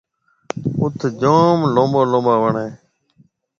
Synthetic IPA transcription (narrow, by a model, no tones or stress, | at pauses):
ʊt̪ʰd͡ʒoːmlõːmboːlõːmbaːʋəɳeː